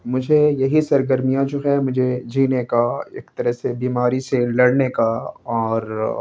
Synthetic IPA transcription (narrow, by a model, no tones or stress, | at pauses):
mʊd͡ʒʱejɐɦisɐɾɡəɾmijãd͡ʒoːɦɛːɾmʊd͡ʒʱed͡ʒiːnekaeːkt̪ɐɾəsebiːmaːɾiselɐɽnekaɔːɾ